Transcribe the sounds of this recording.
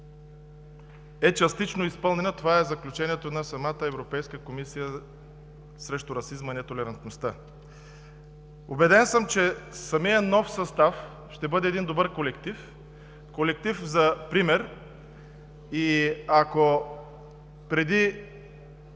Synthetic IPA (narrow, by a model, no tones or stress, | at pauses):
ɛt͡ʃɐst̪it͡ʃnoispɤlˠnɛnɐt̪ovaɛzɐklʲut͡ʃɛniɛt̪onɐsɐmat̪əɛvɾopɛjskəkomisijə | sɾɛʃt̪ʊɾɐsizmɐnɛt̪olɛɾɐnt̪nost̪ə | obɛd̪ɛnsəmt͡ʃɛsɐmijənɔfsɐst̪af | ʃt̪ɛbɤd̪ɛːd̪ind̪obɤɾkolɛkt̪if | kolɛk̚t̪ifzɐpɾimɛɾ | iako | pɾɛd̪i